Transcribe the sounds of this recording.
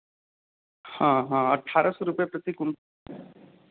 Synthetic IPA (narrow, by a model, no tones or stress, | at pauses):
hãɦãəʈʰːaɾʔɔsɔɾupjapɾət̪ikum